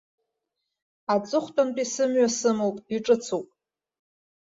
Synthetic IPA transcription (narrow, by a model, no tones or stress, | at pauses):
at͡sʼɨχʷtʼantʼisɨmɥasɨmowpʼiʈ͡ʂʼɨt͡sʰuwpʼ